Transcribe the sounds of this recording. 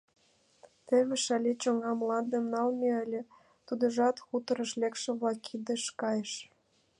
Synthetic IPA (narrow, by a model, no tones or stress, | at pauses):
t̪ĕβʲĕʃɑlʲet͡ɕoŋɑmlɑnd̪ĕmnɑlmʲeəlʲĕ | t̪ud̪ə̆ʒɑt̪xut̪ə̆ɾə̆ʃlekʃĕβlɑkːid̪ĕʃkɑjeʃ